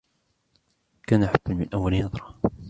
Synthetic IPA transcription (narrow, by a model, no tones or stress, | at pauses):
kaːnʔaħabːanmɪnʔawːalnɑðˤɾˤɑ